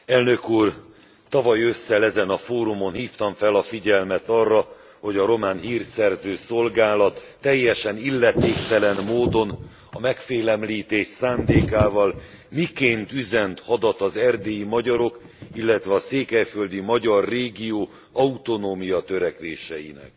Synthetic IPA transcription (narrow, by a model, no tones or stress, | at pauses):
ɛlnø̞kuːr | t̪ɒvɒjø̞sːɛlɛzɛnɒfoːɾumo̞nhiːft̪ɒɱfɛlɒfiɟɛlmɛt̪ɒrːɒ | ho̞ɟɒɾo̞maːnɦiːrsɛrzøːso̞lɡaːlɒt̪ːɛjːɛʃɛnilːɛt̪eːkt̪ɛlɛnmoːd̪o̞n | ɒmɛkfeːlɛmliːt̪eːʃsaːnd̪eːkaːvɒl | mikeːnt̪yzɛnt̪hɒd̪ɒt̪ɒzɛrd̪eːjimɒɟɒɾo̞k | ilːɛt̪ʋɛɒseːkɛjføld̪imɒɟɒrːeːɡioː | ɒut̪o̞noːmijɒt̪ø̞ɾɛkʋeːʃɛ̰jḭnɛ̰k